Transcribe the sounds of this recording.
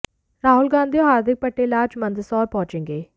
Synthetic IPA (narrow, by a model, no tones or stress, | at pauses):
ɾaːɦʊlɡãːnd̪ijõɦaːɾd̪ɪk̚pəʈːeːlaːd͡ʒmə̃nd̪sɔːɾpɔ̃ːt͡ʃẽːŋɡeː